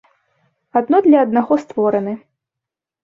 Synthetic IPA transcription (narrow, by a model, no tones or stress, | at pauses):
ad̪nɔd̪lʲɐɐd̪naɣɔst̪vɔɾɐnɨ